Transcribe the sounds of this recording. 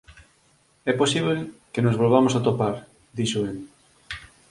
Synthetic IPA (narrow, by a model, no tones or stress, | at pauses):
ɛposiβlekenozβolβamosat̪opaɾ | d̪iʃoen